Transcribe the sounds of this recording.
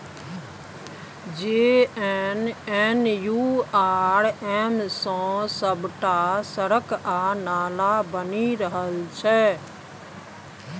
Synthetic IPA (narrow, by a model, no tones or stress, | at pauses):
d͡ʒeːɛnɛːnjuːaːɾɛːmsãːsəbʈasəɾəkaːnaːlabəniɾəɦəlt͡ʃʰɛː